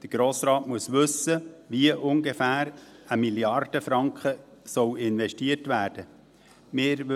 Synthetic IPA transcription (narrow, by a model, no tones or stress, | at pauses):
d̥əɡ̥ɾoːsɾɑːtmuəsʋɵsəʋiəʔʊŋɡefæːɾəmiljɑrd̥əfɾɑŋkχəsɔwɪnʋɛʃtiətʋæːɾd̥ə | mɪːɾʋ